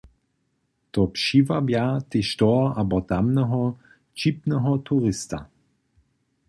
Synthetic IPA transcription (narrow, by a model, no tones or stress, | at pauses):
tɔpʃivabjat̪eʃtɔʔabɔtamnɛɦɔ | t͡ʃip̚nɛɦɔtʰuʁɪsta